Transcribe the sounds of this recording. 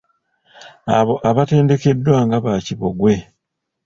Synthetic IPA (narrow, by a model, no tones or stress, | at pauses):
aβo̞ʔaβate̞ːnde̞ke̞dːwaːŋɡaβaːciβo̞ɡwe̞